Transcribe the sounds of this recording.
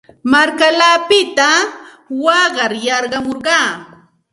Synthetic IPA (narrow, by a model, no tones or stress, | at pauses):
maɾkalaːpɪt̪a | wɑɢɑɾjɑɾɢɑmoɾɢɑː